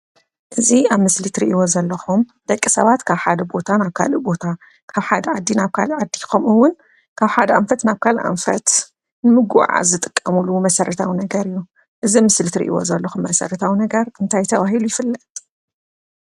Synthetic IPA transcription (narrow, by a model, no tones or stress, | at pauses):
ʔɨziaβmɨslit̪ɾḭʔiwo̞zɐlːɐxumd̪̥ɐkʼːisɐ̰βat̪kʰaβħad̪ɐbo̞t̪ʰanaβkʰa̰lubo̞t̪ʰa | kʰaβħad̪ɐʕad̪ːinaβkʰa̰lʕad̪ːikʰomɨwʊn | kʰaβħad̪ɐʔamfɐt̪naβkʰalʔa̰mfɐt̪ | nɨmɨɡuʕa̰zɨt̪ʼɨ̥kʼːɐmulumɐsɐɾɐt̪ʰawinɐɡɐɾɨjːu | ʔɨzimɨslit̪ɾḭʔḭwo̰zɐlːɐxumːɐsɐ̰ɾɐt̪ʰawnɐɡɐɾɨnt̪ʰajt̪ʰɐβaɦilujɪfɨlːɐt̪ʼ